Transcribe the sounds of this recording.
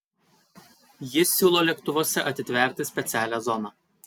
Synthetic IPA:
jɪsʲuːlˠoːlʲɛkt̪ʊʋoːsʲɛʔɐt̪ʲɪt̪ʲʋʲɛˑɾʲt̪ʲɪsʲpʲɛt̪sʲæːlʲæzɔnɑː

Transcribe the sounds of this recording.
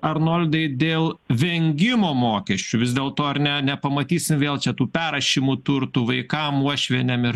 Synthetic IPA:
ɐɾnoːlʲd̪ɐɪd̪ʲeːlˠʋʲɛŋʲɡʲɪmoːmoːkʲɛsʲt͡ʃʲuʋʲɪzd̪eːlˠt̪oːɐɾnʲɛnʲɛpɐmɐt̪ʲiːsʲɪmʋʲeːlˠt͡ʃʲɛt̪uːpʲæːɾɐʃʲiːmut̪ʊɾt̪uːʋɐɪkɐmuɔʃʲʋʲɛnʲɛmɪɾ

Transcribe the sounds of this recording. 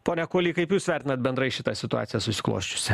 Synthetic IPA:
poːnʲɛkoːlʲiːkɐɪpjuːsʋʲæˑɾʲt̪ʲɪnɐt̪̚bʲɛnd̪ɾɐɪʃʲɪt̪ɑsʲɪt̪ʊɑ̰ːt̪ʲɪjɛsʊsʲɪ̥klˠo̰ːʃʲt͡ʃʲʊ̥sʲɛ

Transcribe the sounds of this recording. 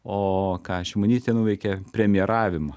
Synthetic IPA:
oːkɑːʃʲɪmonʲiːsʲt̪ʲeɛnuːʋʲɛɪkʲɛpʲɾʲɛmʲɪjɛɾɑːʋʲɪmɐ

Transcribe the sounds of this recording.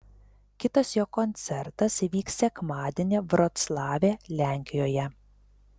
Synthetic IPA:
kʲɪt̪ɐsjoːkɔnʲt̪sʲɛɾt̪ɐsʋʲiːksʲɛkmɑːd̪ʲeːnʲeːʋɾɔt̪slˠɑːʋʲeːlʲæˑŋʲkʲɪjoːjɛ

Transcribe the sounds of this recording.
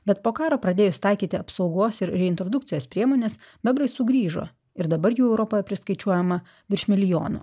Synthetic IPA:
bʲɛt̪poːkɑːɾoːpɾɐd̪ʲeːjʊst̪ɐɪkʲiːt̪ʲɪɐpsɒʊɡoːsɪɾɾʲɛɪnt̪ɾod̪ʊkt̪sʲɪjoːspʲɾʲiɛmoːnʲes | bʲɛbɾɐɪsʊɡɾʲiːʒo̰ː | ɪɾd̪ɐbɐɾjuːɛʊɾɔpoːjɛpʲɾʲɪskɐɪt͡ʃʲuɔjɛmɐ | ʋʲɪɾʃʲmʲɪlʲɪjo̰ːno̰ː

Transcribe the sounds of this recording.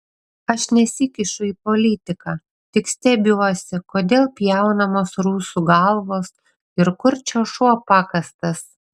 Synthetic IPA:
ɐʃnʲɛsʲɪkʲɪʃʊiːpolʲɪt̪ʲɪkɑː | t̪ʲɪksʲt̪ʲɛbʲuɔsʲɪkoːd̪ʲeːlˠpʲjɛˑʊnɐmoːsɾuːsuɡɐlˠʋoːs | ɪɾkʊɾʲt͡ʃʲɛːʃuɔpɑːkɐst̪ɐs

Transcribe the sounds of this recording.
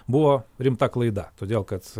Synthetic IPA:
bʊʋoːɾʲɪmt̪ɐklˠɐɪd̪ɐt̪oːd̪ʲeːlˠkɐt̪

